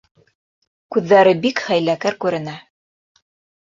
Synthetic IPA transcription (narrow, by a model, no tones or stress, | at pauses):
kʉðːæɾɘbikχæjlækæɾkʉɾɘ̆næ